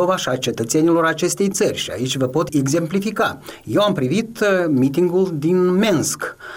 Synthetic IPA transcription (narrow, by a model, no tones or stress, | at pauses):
ovaʃiat͡ʃe̞t̪ət̪se̞nilo̞ɾat͡ʃe̞st̪e̞jt̪sərʲʃia̰it͡ʃʲvəpo̞t̪eɡze̞mplifikaje̞wampɾivit̪mit̪iŋɡuld̪inminsk